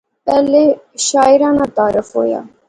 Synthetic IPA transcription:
pɛːleː | ʃaːɪɾãːnaːt̪aːɾəfɦo̰ːja̰ː

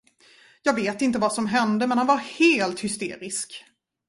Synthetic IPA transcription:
jɑːɡveːt̪ɪnt̪̬əvasɔmɦɛnd̪əmɛnhanvaɾheːlt̪hʏst̪ḛːɾɪsk

